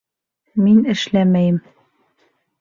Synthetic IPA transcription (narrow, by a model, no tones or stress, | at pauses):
minɘ̆ʃlæmæjɘm